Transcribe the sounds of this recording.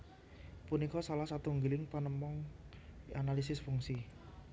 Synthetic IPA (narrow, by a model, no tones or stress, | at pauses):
punikɔsalahsat̪uŋɡilɪŋpanəmɔŋ | analis̬ɪsfuŋsi